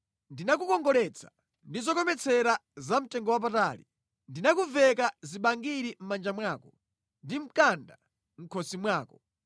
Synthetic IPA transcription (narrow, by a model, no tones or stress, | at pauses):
ndinak̬ukɔŋɡɔlɛt͡sʰḁ | ndizɔkɔmɛt͡sʰɛɾazam̩tɛŋɡɔwap̬ataːlḭ | ndinakuvɛkaziɓaŋɡiɾim̩mand͡ʒamwaːkɔ | ndim̩kanda | m̩kʰɔsimwaːkɔ̥